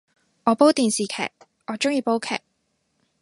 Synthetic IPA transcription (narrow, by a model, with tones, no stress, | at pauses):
ɔː˨˧po˥wt̪iː˨nsiː˨kʰɛ̰ː˨˩k̚ː | ɔː˨˧t͡ʃʊ˥ŋjiː˧po˥wkʰɛ̰ː˨˩k̚